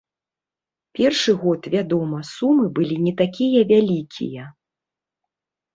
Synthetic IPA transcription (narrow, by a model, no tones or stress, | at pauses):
pʲɛrʂɨɣɔt̪vʲad̪ɔmɐsumɨbɨlʲinʲɛt̪akʲijɐvʲalʲikʲʰḭjɐ